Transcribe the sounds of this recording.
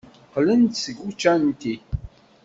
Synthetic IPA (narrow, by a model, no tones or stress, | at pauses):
qlənt̪səɡut͡ʃːænt̪i